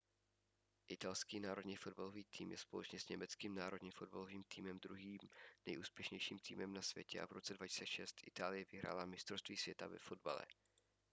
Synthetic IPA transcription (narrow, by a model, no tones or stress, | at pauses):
ʔɪt̪alskiːnaːɾo̞dɲiːfo̞dbalo̞viːt̪ʰiːmjɛspo̞lɛt͡ʃɲɛsɲɛmɛt͡skiːmnaːɾo̞dɲifo̞d̚baloviːmt̪iːmɛmd̪ɾuɦiːmnɛjʔuːspjɛʃɲɛjʃiːmt̪ʰḭːmɛmnasvjɛcɛʔa̰vɾot͡sɛdvaci̥st͡sɛʃɛst̪ʔɪt̪aːlɪjɛvɪɦɾa̰ːlamɪst̪ɾost̪viːsv̥jɛt̪avɛfo̞dba̰lɛ̰